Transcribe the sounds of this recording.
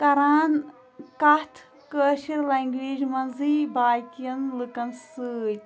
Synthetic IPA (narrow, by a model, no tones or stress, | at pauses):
kɐɾaːn | kɐt̪ʰ | kəːʃiɾlaːŋɡʋeːd͡ʒmɐnziːbaːjkijɐnlɨkɐnsɨːj